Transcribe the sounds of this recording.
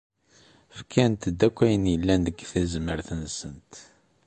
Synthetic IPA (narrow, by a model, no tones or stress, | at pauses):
fkʰænt̪əd̪ækʷːæjənjəlːændəɡθæzməɾθənsənt̪